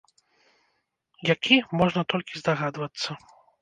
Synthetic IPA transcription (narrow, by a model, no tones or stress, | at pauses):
jakʲimɔʐnɐt̪ɔlʲkʲizd̪aɣad̪vɐt̪sːɐ